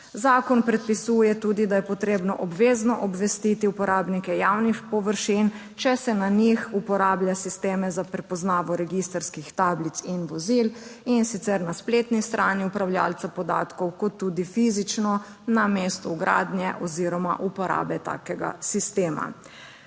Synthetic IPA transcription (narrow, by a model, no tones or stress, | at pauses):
zaːkɔnpɾɛt̪̚pisuːjɛt̪uːd̪id̪ajɛpɔt̪ɾeːbnɔʔɔbʋeːznɔʔɔbʋɛst̪it̪iupɔɾaːbnikɛjawnixpɔʋəɾʃin | t͡ʃɛsɛnanixupɔɾaːbljasist̪eːmɛzapɾɛpɔznaːʋɔɾɛɡist̪əɾskixt̪aːblit̪sinʋɔzilinsit̪sɛɾnasplet̪nist̪ɾʔaːniupɾawlja̰lt̪sapɔd̪a̰ːt̪kɔwkɔt̪ːuːd̪ifizit͡ʃnɔ | nameːst̪ɔuɡɾa̰ːd̪njɛʔɔziɾɔma̰ʔupɔɾa̰ːbɛt̪a̰ːkɛɡa̰sist̪eːma̰